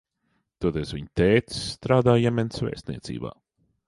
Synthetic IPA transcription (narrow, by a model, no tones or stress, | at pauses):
t̪uɔd̪esviɲt̪ɛːt̪i̥sːt̪ɾaːd̪aːjɛmʲɛnsvʲɛ̰ːst̪nʲḭɛt̪sḭːba̰ː